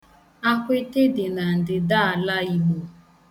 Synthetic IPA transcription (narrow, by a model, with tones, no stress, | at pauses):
a˦kʷe˦te˦dɪ˨na˨n̩˨dɪ˨da˦a˨la˦i˦mu˦